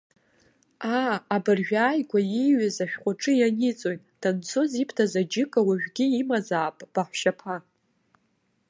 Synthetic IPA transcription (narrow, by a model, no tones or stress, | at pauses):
aːbɨrʒᶣaːjɡʷajiɥazaʃᶣqʷʼaʈ͡ʂʼɨjanit͡sʼojtʼd̥ant͡sʰozipʰtʰazad͡ʒɪkʼawaʒᶣʲɡʲiːmazaːpʼb̥aħʷʃapʰa